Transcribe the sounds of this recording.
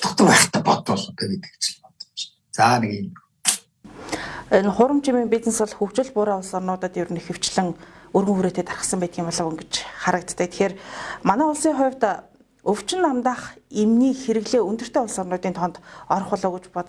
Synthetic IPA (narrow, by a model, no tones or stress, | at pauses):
t̪ɔ̆χt̪əpæːχt̪apɔt̪pɔɮɞ̆nt̪ʰeːɡet̪ɡɘ̥̆kt͡ɕɪ̥̆ɮpɔt̪ɞ̥̆t͡ɕ | t͡saːneɣn | enχʊːɾə̆mt͡ɕʰimiːŋpʲit͡snesɔ̆ɮxukt͡ɕɪ̆ɮpʊːɾaːʊɮsɔrnʊːt̪ə̆t̪jʊɾɘ̆nexɘ̆w̥t͡ɕɮɘ̆ŋɵrɣɘ̆ŋxuɾeːt̪eːt̪arə̆sə̆mpæːt̪ɡʲiːmpɔɮə̆wɵ̆ŋɡet͡ɕχaɾə̆kt̪ːəkt̪ʰe̥xeːrmanæːʊɮsiːŋχʊjw̥ʲt̪ | ɵw̥t͡ɕɪ̆nːamt̪aːχemniːxeɾɘ̆ɣɮeːɵnt̪ɵ̆r̥t̪ʰeːʊɮsɔrnʊːt̪iːnt̪ʰɔnt̪ɔɾɞ̆χʊɮɔːɣŭt͡ɕpɔt̪